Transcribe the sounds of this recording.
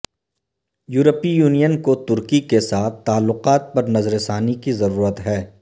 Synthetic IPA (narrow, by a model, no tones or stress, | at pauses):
juːɾəpijuːnijənkot̪ʊɾkikesaːt̪ʰːaːlːʊqaːt̪̚pɐɾnɐzɾesaːnikizɐɾuːɾət̪ɦɛː